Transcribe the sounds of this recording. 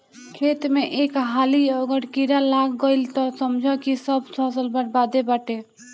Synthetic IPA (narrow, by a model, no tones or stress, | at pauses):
kʰet̪meʔekɦaliɔɡəɽkiɾalaɡɡəɪlt̪ɔsəmd͡ʒʱɔkisəbʱsɔ̃səlbəɽbad̪ebaʈe